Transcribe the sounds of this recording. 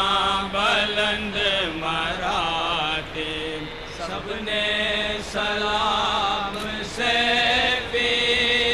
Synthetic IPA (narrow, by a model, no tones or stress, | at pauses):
bɐlənd̪əmaɾat̪e | sɐbʱnesɐlaːmse | pi